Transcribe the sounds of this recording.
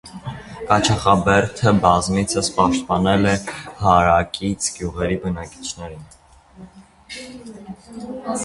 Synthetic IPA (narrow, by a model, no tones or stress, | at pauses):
kɑt͡ʃʰɑχɑbɛɾt̪ʰəbɑzmit͡sʰəspɑʃt̪̚pɑnɛlɛhɑɾɑkit͡sʰɡjuʁɛɾibənɑki̥t͡ʃʰnɛɾin